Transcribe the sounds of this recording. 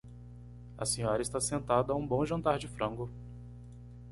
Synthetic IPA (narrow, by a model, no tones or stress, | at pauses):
ɐ̰sẽɲɔɾɐɪst̪asẽnt̪ad̪ɐaũbõw̃ʒɐ̃nt̪aɾd͡ʒɪfɾɐ̃ŋɡʊ